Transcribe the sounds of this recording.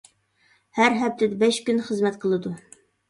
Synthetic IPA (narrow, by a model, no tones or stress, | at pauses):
hæɾɦɛp̚t̪ʰɪd̪ɛbɛʃkʲynχəzmɛt̪qʰəlˠɨd̪u